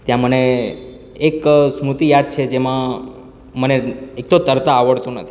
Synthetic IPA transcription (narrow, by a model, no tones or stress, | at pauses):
t̪jãməne | eksmɾut̪ijad̪̚t͡ʃʰed͡ʒemã | məneek̚t̪ot̪əɾt̪aːʋəɭt̪ũnət̪ʰi